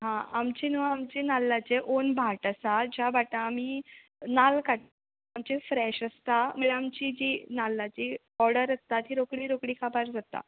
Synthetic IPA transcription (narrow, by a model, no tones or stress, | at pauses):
ɦãamt͡ɕinuaːmt͡ɕenalːat͡seʔonbʱaʈəsad͡ʑabʱaʈãːmiː | nalkaʈ̚ | amt͡ɕefɾɛɕəst̪aməɭeamt͡ɕid͡ʑinalːat͡ɕi | ɔɾɽəɾəst̪at̪iːɾokɽiːɾokɽiːkʰapaɾd͡zat̪a̰